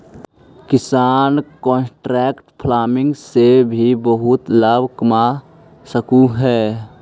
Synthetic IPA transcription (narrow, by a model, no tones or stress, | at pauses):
kɪsaːnkɔ̃ːnsʈɾɛːkʈpʰlaːmɪ̃ŋɡsebʱibəɦʊt̪labʱkəma | səkuɦɛː